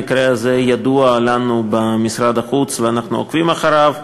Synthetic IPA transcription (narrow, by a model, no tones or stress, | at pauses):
ɪkɾeazejad̪uɐlanubamɪsɾad̪aχut͡sveanaχnua̰kvimaχaɾav